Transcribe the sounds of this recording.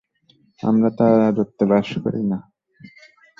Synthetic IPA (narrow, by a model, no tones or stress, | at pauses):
a̰mɾat̪aɾaɾot̪ːebaʃko̰ɾḭna